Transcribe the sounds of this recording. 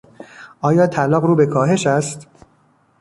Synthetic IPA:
ʔɒːjɒːt̪ʰælɒːɣɾuːbe̞kʰɒːɦe̞ʃæst̪

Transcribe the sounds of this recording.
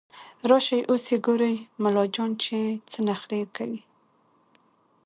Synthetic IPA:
ɾɑʃajʔoseɡoɾajmalɑd͡ʒɑnt͡ʃet͡sənaxlekawi

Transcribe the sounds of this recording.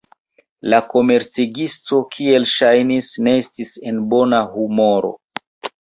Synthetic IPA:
lako̞me̞ɾt͡siɡisto̞kʰie̞lʃajnisne̞estise̞nbo̞nahumo̞ɾo̞̰

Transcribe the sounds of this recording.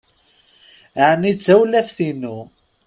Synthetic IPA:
ʕnit͡sːæwlæfθinu

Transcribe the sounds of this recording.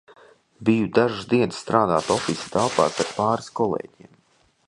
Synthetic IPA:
bijud̪aʒuzd̪iɛnsːt̪ɾaːd̪a̰ːt̪ɔfisi̥t̪alˠpa̰ːsaɾpaːɾiskɔlˠḛːɟiɛm

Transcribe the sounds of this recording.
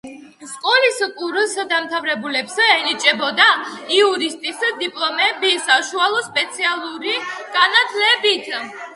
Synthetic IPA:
skʼɔliskʼuɾsd̪amt̪ʰavɾɛbulɛbsɛɛnit͡ʃʼɛbɔd̪aiuɾist̪ʼisd̪ipʼlˠɔmɛbisaʃualˠɔspʼɛt̪sʰialˠuɾiɡ̥anat̪ʰlɛbit̪ʰ

